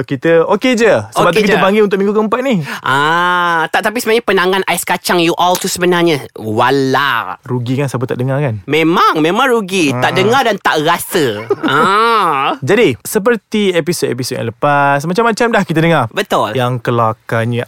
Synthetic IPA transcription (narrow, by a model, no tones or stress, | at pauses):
kit̪əoked͡ʒəsəbat̪ukit̪əpaŋɡɪlunt̪ʊkmĩŋɡukəəmpat̪̚nihʔãt̪aʔt̪ap̬isəbənaɲəpənaŋãnʔajskat͡ʃaŋjuʔɔlt̪usəbənarɲəwalaɾuɡikansabət̪aʔdəŋarkanmẽmãŋmẽmãŋɾuɡit̪aʔdəŋardant̪aʔrasəã | d͡ʒadisəp̬ərt̪iepisodḛp̬isot̚ja̰ŋləpasmat͡ʃamːat͡ʃamdahkit̪̬ədəŋarbət̪ʊljaŋkəlaakaɲə